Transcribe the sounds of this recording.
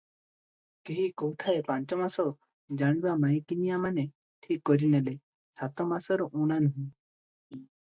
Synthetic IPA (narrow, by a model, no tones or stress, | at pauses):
keɦikɔwt̪ʰaepaɲt͡ʃɔmasɔ | d͡ʒaɽ̃ibamajkinijamane | ʈʰikːɔɾinɛle | sat̪ɔmasɔɾɔʔuɽ̃anuɦũ